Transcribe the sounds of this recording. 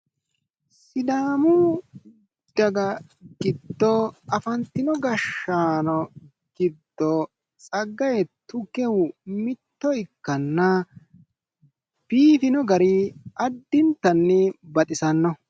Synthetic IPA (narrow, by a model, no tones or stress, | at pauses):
sɪd̪aːmu | d̪̥ɐɡɐ | ɡ̥ɪd̪ːɔɐfɐnt̪ːɪnɔɡɐʃːaːnɔ | ɡ̥ɪd̪ːɔ | t͡sʼɐɡːɐjɛt̪ʊkɛwmɪt̪ːɔɪkːɐnːɐ | b̥iːfɪnɔɡɐɾiɐd̪ːɪnt̪ːɐnːɛbɐt̪ʼɪsɐnːɔ